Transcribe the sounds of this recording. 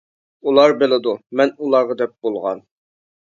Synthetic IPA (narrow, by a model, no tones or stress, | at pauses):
ulˠɑɾbelˠɪd̪umɛnulˠɑʁəd̪ɛp̚b̥olˠʁɑ̰n